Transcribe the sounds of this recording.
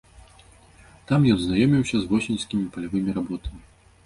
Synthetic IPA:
t̪amjɔnznajɔmʲiwsʲɐzvɔsʲinʲsʲkʲimʲipɐlʲavɨmʲiɾabɔt̪ɐmʲi

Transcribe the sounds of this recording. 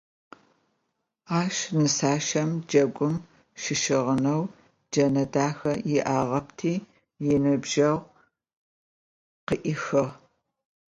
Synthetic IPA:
aːʃnɨsaːʃɐmd͡ʒɐɡʷʊm | ʃɪʃɪʁənɐw | d͡ʒɐnɐdaːxɐjɪʔaːʁɐp̚tʰiː | jɪnɨbʒɐʁ | qəʔɪxɨʁ

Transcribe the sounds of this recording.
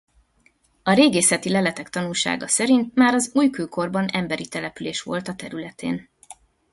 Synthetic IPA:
ɒɾeːɡeːsɛt̪ilɛlɛt̪ɛkt̪ɒnulʃa̰ːɡɒsɛɾint̪̚maːɾɒzuːjkøːko̞rbɒnɛmbɛɾit̪ɛlɛpyleːʃʋo̞lt̪ɒt̪ɛɾylɛt̪ʰḛːn

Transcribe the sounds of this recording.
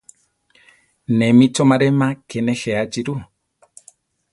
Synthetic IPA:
nɛmitɔmaɾɛmakɛnɛxɛad͡ʒiɾu

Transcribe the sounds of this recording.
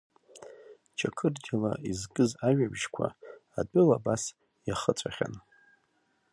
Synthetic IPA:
t͡ʃʰakʰɨrdʲalaizɡʼɨzaɥᶣabʒkʷʰa̰ːdʷʼʊlabas | jaχət͡sʷʰʼaχʲa̰n

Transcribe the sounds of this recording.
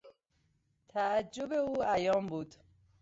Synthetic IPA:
t̪ʰæːd͡ʒːobe̞uːæjɒːmbuːd̪̥

